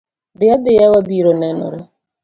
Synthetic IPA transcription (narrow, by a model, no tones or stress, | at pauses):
d̪ɪjad̪ɪjawabiɾɔnɛnɔ̰ɾa